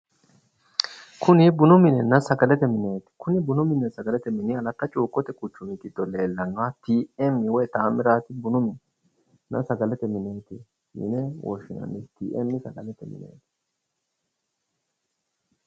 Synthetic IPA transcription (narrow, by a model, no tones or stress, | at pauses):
kʰʊnɪbʊnʊmɪnɛnɐsɐɡɐlɛt̪ɛmɪne̞ːt̪ɪ̥kʰʊnɪbʊnʊmɪnːɛsɐɡɐlɛt̪ɛmɪnɪɐlɐt̪ːɐt͡ʃʼuːkʼːɔt̪ɛkʼʊt͡ʃːʊmɪkɪd̪ːɔleːlːɐŋɡat̪iːɛmːɪwɔjt̪aːmɪɾaːt̪ɪbʊnʊmɪn | nɐ̰sɐɡɐlɛt̪ɛmɪneːt̪ɪ | mɪ̰nɛwɔ̰ʃːɪnɐ̰nːɛt̪ḭːʔɛmːɪsɐɡɐlɛt̪ɛmɪ̰nḛːt̪ɪ̥